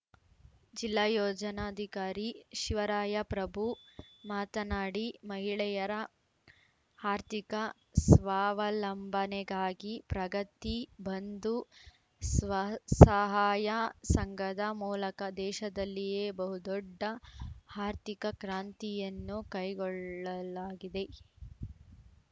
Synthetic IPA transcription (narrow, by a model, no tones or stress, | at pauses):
d͡ʒilːaːjɔːd͡ʒɐnaːd̪ʱikaːɾiʃiʋɐɾaːjɐpɾɐbʱumaːt̪ɐnaːɽimɐɦiɭɛjɐɾɐ | aːɾt̪ikɐ | sʋaːʋɐlɐmbɐnɛɡaːɡipɾɐɡɐt̪ibɐnd̪u | sʋɐsɐɦaːjɐsɐŋɡɐd̪ɐmuːlɐkɐd̪ɛːʃɐd̪ɐlːijeːbɐɦud̪ɔɖːɐhaːɾt̪ikɐkɾaːnt̪ijɐnːukɐjɡɔɭːɐlaːɡid̪e̞